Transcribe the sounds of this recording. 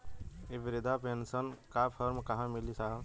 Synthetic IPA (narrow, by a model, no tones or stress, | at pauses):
ibiɾid̪ʱapensənkapʰəɾmkaɦãmilisa